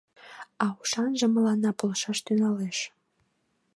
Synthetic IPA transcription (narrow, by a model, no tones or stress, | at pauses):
ɑuʃɑnʒə̆mə̆lɑnɑpolʃɑʃt̪yŋɑleʃ